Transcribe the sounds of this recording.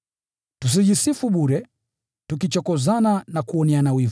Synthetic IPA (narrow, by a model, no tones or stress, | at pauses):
tus̬iʄisifuɓuɾɛ | tukit͡ʃɔkɔzananakuɔnɛanawiv